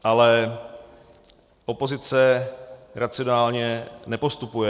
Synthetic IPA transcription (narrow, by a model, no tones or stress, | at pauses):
ʔalɛ | ʔopo̞zɪt͡sɛ | ɾat͡sɪonaːlɲɛnɛpo̞st̪upujɛ